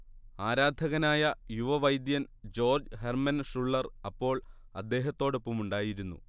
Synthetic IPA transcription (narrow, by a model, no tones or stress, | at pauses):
aːɾaːd̪ʱɐɣɐnaːjɐjuʋɐʋɐjd̪jɐn | d͡ʑo̞ːrd͡ʑɦermɐnʂuɭːɐrɐpːo̞ːɭ | ɐ̰d̪ːe̞ːɦɐt̪ːo̞ːɽopːumuɳɖaːjiɾunːṵ